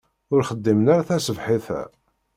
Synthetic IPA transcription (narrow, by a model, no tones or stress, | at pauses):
ʊɾχəd̪ːimənaɾaθæsəvħiθæ̰